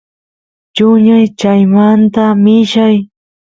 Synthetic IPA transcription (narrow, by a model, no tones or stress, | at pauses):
t͡ʃʊɲajt͡ʃajmant̪amɪʃaj